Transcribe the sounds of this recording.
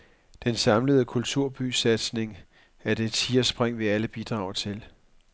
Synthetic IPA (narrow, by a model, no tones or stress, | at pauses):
d̥ensɑ̈mləð̞̩ˠəkʰult͡sʰuɐ̰b̥ysæd̥sne̝ŋ | æɐd̥edt͡sʰiːɐsb̥ʁeŋ̰ʋe̝æləb̥id̥ʁɑ̈ːʊt͡sʰe̝l